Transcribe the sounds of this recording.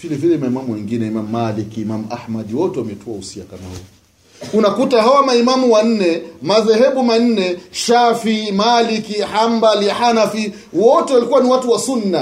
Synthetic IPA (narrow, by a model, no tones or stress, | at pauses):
v̥ilɛvilɛimaimamuwɛŋɡinɛimamumalikiːmamuʔahmaɗiwɔtɛwamɛtuausiakama̰hṵ | unakutaɦawamaimamuwan̩nɛmaðɛhɛɓuman̩nɛʃafimalikihambalħanafi | wɔtɛwalikuwaniwatuwasunːa